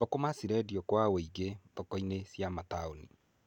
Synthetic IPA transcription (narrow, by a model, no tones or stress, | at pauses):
ɔkomasiɾɛdjɔkwawoiɡetɔkɔinesjamataonḭ